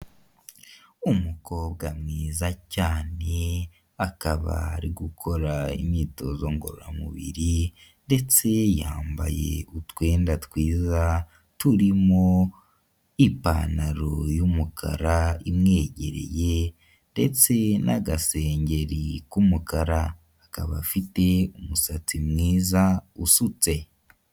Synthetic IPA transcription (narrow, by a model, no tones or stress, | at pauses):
umukʰo̞bɡamŋiːzacaːne | akaβa̰ːɾiɡukʰo̞ɾaḭmɲiːto̞zo̞ŋɡoɾoɾamṵβḭɾi | nde̞t͡se̞jaːmba̰je̞̰utwe̞ːndatwiːza | tuɾimo | ipa̰naɾojumukʰa̰ɾaimŋe̞ːɟe̞ɾe̞̰je̞ | nde̞t͡se̞nʔaɡase̞ːɲɟe̞ɾikumukaɾaː | kaβafite̞umusat͡simŋiːzausut͡se̞